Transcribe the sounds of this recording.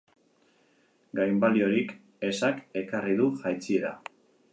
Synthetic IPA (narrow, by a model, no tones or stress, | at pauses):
ɡajmbalio̞ɾik | e̞sake̞kariðuʝajt͡siða̰